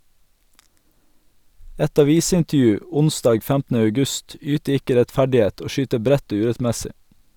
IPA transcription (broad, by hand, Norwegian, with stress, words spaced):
ˈɛt ɑˈʋiːsɪntəˌjʉː ˈʊnˌsdɑːɡ ˈfæmtn̩ə œʉˈɡʉst ˈyːtə ˈɪkə ɾɛtˈfæɖɪˌeːt ˈoː ˈʃyːtə ˈbɾɛt ˈoː ˈʉːɾɛtˌmɛsɪ